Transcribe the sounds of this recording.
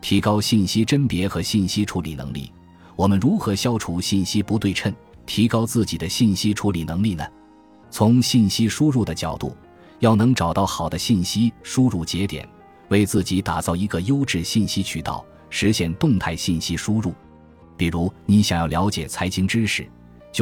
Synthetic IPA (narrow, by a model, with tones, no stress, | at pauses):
t̪ʰi˧˥kɑ˥ʊɕi˥˩nɕi˥ʈ͡ʂə˥npjɛ˧˥xɤ˧˥ɕi˥˩nɕi˥ʈ͡ʂʰu˧˥li˨˩nɤ̰˧˥ŋlḭ˥˩ | wɔ˨˩mə˦nɻu˧˥xɤ˧˥ɕjɑ˥ʊʈ͡ʂʰu˥ɕi˥˩nɕi˥pu˧˥t̪we˥˧ɪʈ͡ʂʰə˥n | t̪ʰi˧˥kɑ˥ʊt͡sɹ̩˥˩t͡ɕi˨˩d̪ə˦ɕi˥˩nɕi˥ʈ͡ʂʰu˧˥li˨˩nɤ˧˥ŋli˥˩nə˩ | t͡sʰʊ˧˥ŋɕi˥˩nɕi˥ʂu˥ɻu˥˩d̪ə˩t͡ɕjɑ˨˩ʊt̪ṵ˥˩ | jɑ˥˩ʊnɤ˧˥ŋʈ͡ʂɑ˨˩ʊt̪ɑ˥˩ʊxɑ˨˩ʊd̪ə˦ɕi˥˩nɕi˥ʂu˥ɻu˥˩t͡ɕjɛ˧˥t̪jɛ̰˨˩˦n | we˥˧ɪt͡sɹ̩˥˩t͡ɕi˧˥t̪a˨˩t͡sɑ˥˩ʊi˧˥ɡə˧jo˥ʊʈ͡ʂɻ̩˥˧ɕi˥˩nɕi˥t͡ɕʰy˥˩t̪ɑ̰˥˩ʊ | ʂɻ̩˧˥ɕjɛ˥˧nt̪ʊ˥˧ŋt̪ʰa˥˧ɪɕi˥˩nɕi˥ʂu˥ɻu˥˩ | pi˨˩ɻu˧˥ni˧˥ɕjɑ˨˩ŋjɑ˥˩ʊljɑ˧˥ʊt͡ɕjɛ˨˩t͡sʰa˧˥ɪt͡ɕʰi˧˥ŋʈ͡ʂɻ̩˥ʂɻ̩˨˩ | t͡ɕ